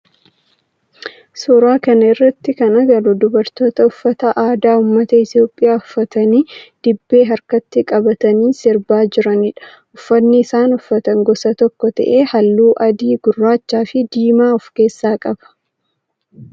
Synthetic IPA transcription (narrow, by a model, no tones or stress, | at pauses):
suːɾaːkɐnɐɪrːɐt̪ːɪkɐnɐɡɐɾʊd̪ʊbɐɾt̪o̞ːt̪ɐʊfːɐt̪ɐʔaːd̪aːʊmːɐt̪ɐɪt̪jo̞ːpʼːɪjaːʊfːɐt̪ɐniːd̪̥ɪbːe̞ːɦɐɾkɐt̪ːɪkʼɐbɐt̪ɐniːsɪɾbaːd͡ʒɪɾɐnɪᶑɐ̥ | ʔʊfːɐnːɪːsaːnʊfːɐt̪ɐŋɡɔsɐt̪ɔkːɔt̪ɐ̰ʔeːhɐlːuːʔɐd̪iːɡʊrːaːt͡ʃːaːfɪd̪iːmaːɔfke̞ːsːaːkʼɐb̥ɐ̥